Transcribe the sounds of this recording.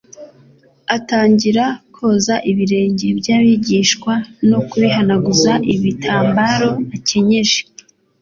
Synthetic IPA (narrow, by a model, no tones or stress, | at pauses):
ataːɲɟiɾakʰo̞ːzaʔiβiɾe̞ːɲɟebjaːβiɟiːʃkwano̞kuβiɦanaɡuzaʔiβitʰaːmbaɾo̞aceɲeʒe̥